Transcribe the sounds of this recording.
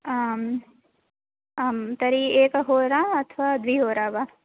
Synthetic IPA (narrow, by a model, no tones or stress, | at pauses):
m | mt̪ɐɾieːkɦoːɾaɐt̪ʰʋaːd̪ʋiːɦoːɾaːbaː